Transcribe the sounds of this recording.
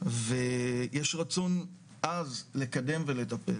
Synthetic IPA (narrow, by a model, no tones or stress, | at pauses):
vejeʃʁat͡son | ʔazle̞kad̪e̞mve̞le̞t̪apḛ